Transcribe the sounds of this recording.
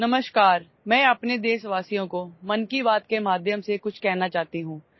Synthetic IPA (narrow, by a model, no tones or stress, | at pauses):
nɐməʃkaːɾ | mɛ̃ːɐpned̪eːsʋaːsijõkomɐnkibaːt̪kemaːd̪ʱjəmsekʊt͡ʃʰkɛɦnat͡ʃaːɦt̪iɦũː